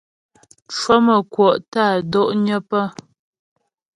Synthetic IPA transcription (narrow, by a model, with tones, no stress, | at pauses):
t͡ʃwə˦mə˨kwɔ˨ʔtaː˦˨dɔ˦ʔɲə˦pə˦